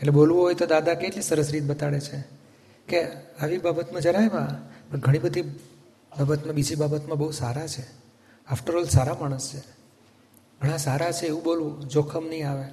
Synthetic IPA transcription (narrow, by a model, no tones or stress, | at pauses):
eʈlebolʋoɦojt̪od̪ad̪akeʈlisəɾəsɾit̪̚ʰbət̪aɽet͡ʃʰe | keaʋibabət̪mãd͡ʒəɾajmãpəɳɡʱəɽ̃ibəd̪ʱi | babət̪mãbid͡ʒibabət̪mãbəusaɾat͡ʃʰe | afʈəɾɔlsaɾamaɽ̃əst͡ʃʰe | ɡʱəɽ̃ãsaɾat͡ʃʰeːʋũbolʋũd͡ʒokʰəmnəɦĩaʋe